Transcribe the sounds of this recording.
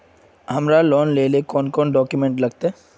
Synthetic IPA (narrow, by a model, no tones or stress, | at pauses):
ɦɐmɾalɔːnleːlekɔːnkɔːnɖɔːkjumẽɳʈlɐɡt̪eɦː